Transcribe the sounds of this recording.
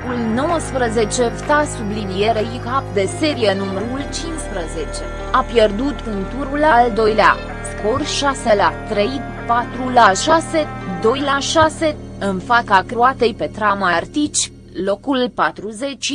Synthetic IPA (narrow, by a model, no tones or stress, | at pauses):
kulno̞wəspɾəze̞t͡ʃe̞ft̪asublid̪ijeɾeikapd̪e̞se̞ɾijenuməɾult͡ʃinspɾəze̞t͡ʃe̞ | apje̞rd̪ut̪punt̪uɾulald̪o̞jlea̰ | sko̞rʃaselat̪ɾej | pat̪ɾulaʃase̞d̪o̞jlaʃase̞ɨnfakakɾoat̪e̞jpe̞t̪ɾamart̪it͡ʃʲ | lokulpat̪ɾuze̞t͡ʃʲ